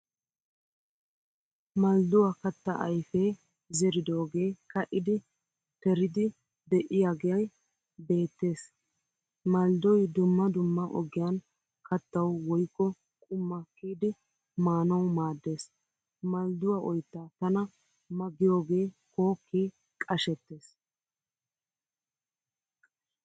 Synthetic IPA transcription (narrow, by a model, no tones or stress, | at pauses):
mɐld̪ʊwakɐt̪ːɐ̰ʔɐjfeː | zɛɾɪd̪o̞ːɡe̞ːkɐʔɪd̪ɪ | t̪ɛɾɪd̪ɪ | d̪ɛʔɪjaɡɛjɐj | be̞ːt̪ːe̞ːs | mɐld̪ɔjd̪ʊmːɐd̪ʊmːɐʔɔ̰ɡɪjaːn | kɐt̪ːɐwwɔjkːɔ | kʼʊmːakːiːd̪ɪ | maːnɐwmaːd̪ːe̞ːs | mɐld̪ʊwaʔɔjt̪ːaːt̪ɐnɐ | mɐɡɪjo̞ːɡe̞ːko̞ːkʰːi | kʼɐʃɛt̪ːe̞ːs